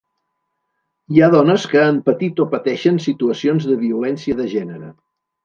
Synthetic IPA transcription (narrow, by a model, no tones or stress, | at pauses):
iaðɔnəskəampət̪it̪opət̪ɛʃənsit̪uəsionzðəβiulɛnsiəðəʒɛnəɾə